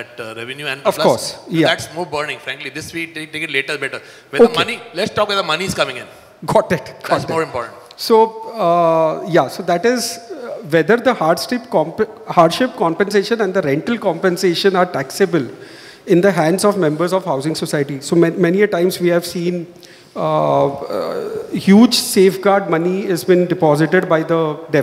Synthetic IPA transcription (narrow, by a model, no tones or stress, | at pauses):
bʌʈɾɛʋɛ̃njuɛ̃ʌflkɔːɾsjad̪æʈsmoːbəːɾnɪ̃ŋfɾæ̃ŋklid̪ɪsʋiʈeʈeːkɪʈleːʈəɾbɛʈəɾ | ʋɛoːəkmnilɛʈsʈɔːkʋɛd̪əmʌnizkʌ̃mɪ̃ŋɪ̃n | ɡɔːʈɪʈɡɔsmoːɾɪ̃mpɔ̰ːʈə̃ɳʈ | soː | jasoːd̪æʈɪzʋɛd̪əɾd̪əhaːɾɖsʈɪpkɔ̃mphaːɾɖʃɪp̚kɔ̃mpɛ̃nseːʃə̃nɛ̃ɳɖd̪əɾɛ̃ɳʈəlkɔ̃mpɛ̃nseːʃə̃naːɾʈæksebəl | ɪ̃nd̪əɦæ̃ɳɖzɔʋmɛ̃mbəɾzɔʋhaʊzɪ̃ŋsosaɪʈisoːmɛmɛniəʈãɪ̃mzʋiːhæʋsĩːn | hjuːd͡ʒseːfɡaːɾɖ̚mʌniɪzbĩnɖɪpɔːzɪʈeɖbaɪd̪əɖɛ